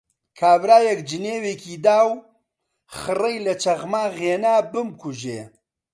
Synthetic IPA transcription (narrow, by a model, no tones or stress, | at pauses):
kʰaːvɾaːjɛkd͡ʒɨneːweːkʰiːd̪aːw | xɨrɐjlɐt͡ʃʰɐɣmaːɣeːnaːbɨmkuʒeː